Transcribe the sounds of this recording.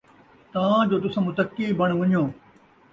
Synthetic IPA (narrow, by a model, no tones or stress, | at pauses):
t̪ɐʋãd͡ʑoːt̪ʊsãmʊt̪əkːibɐɽ̃ʋɐɲjõː